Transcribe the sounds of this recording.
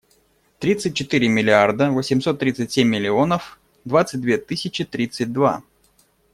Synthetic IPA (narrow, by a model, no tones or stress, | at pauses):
t̪ɾʲit̪sɨt̚ʲt͡ɕːɪt̪ɨɾʲɪmʲɪlʲɪard̪əvosʲɪmso̞t̪ːɾʲit̪sɨtʲsʲemʲːɪlʲɪo̞nəf | d̪vat̪sɨt̚ʲd̪vʲet̪ɨsʲɪt͡ɕɪt̪ɾʲit̪sɨt̚ʲd̪va̰